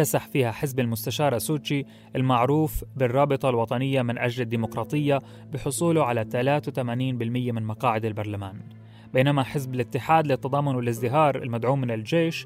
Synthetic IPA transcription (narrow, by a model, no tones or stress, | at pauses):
asaħfiːhaħɪzbalmʊst̪aʃɑːɾˤasuːt͡ʃi | ʔɪlmaʕɾuːfbɪrˤːɑːbɨt̪ˤɑlwɑt̪ˤɑnɪjːamɪnʔad͡ʒlad̪ːiːmʊqɾˤɑːt̪ˤɨjːa | bɪħʊsˤuːlʊʕalat̪alaːt̪wt̪amaːniːnbɪlmɪjːamɪnmɑqɑːʕɪd̪albɑɾˤlamaːn | beːnamaħɪzbɪlʔɪt̪ːɪħaːd̪lɪt̪ːɑd̪ɑːmːʊnwɪlʔɪzd̪ɪɦɑːɾˤɪ̰lmad̪ʕuːmːɪnɪld͡ʒeːʃ